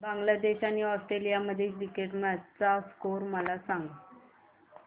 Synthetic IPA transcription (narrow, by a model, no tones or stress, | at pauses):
bãŋɡlad̪eɕaniːɔsʈɾelijaməd̪ʱːjekɾikeʈmət͡saskoɾməlasãŋɡə